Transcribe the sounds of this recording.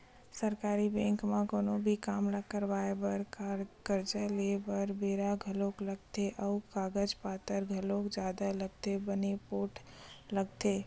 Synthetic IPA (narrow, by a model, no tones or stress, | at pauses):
səɾkaːɾibɛ̃ŋkmakoːnobʱikaːmlakəɾʋaebəɾkəɾd͡ʒəlebəɾbeːɾaɡʱəlokləɡ̚t̪eʔəʊkaːɡəd͡ʒpaːt̪əɾɡʱəlokd͡ʒaːd̪aləɡ̚t̪ebənepoːʈʰləɡt̪e